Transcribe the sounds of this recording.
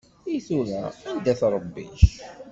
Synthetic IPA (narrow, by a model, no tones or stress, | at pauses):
iθuɾæ̰ænd̪æθɾˤəbːḭʃ